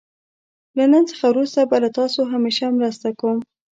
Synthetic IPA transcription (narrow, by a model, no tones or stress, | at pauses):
lanənt͡sə̥xawɾust̪abalat̪ɑsoɦameʃamɾəst̪akom